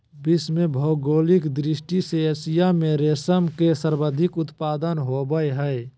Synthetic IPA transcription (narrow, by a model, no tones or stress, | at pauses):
bɪsmẽbʱɔːɡoːlɪkd̪ɾɪsʈiseəsijamẽɾeːsəmkesəɾbəd̪ʱɪkʊt̪paːd̪ənɦobəeɦɛe